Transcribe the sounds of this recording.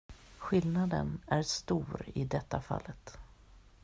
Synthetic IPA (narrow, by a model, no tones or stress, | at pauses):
ɧɪlnad̪ənæɾʂt̪uːɾɪd̪ɛt̪ːafa̰lːət̪